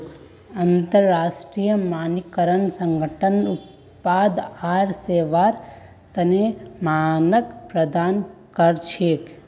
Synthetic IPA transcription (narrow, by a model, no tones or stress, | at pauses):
ɐnt̪əɾːaːsʈɾijəmaːnikəɾənsəŋɡʱəʈʰənu | paːd̪aːɾseːʋaːɾ | t̪ɐnemaːnəkpɾɐd̪aːnkəɾt͡ʃʰeːk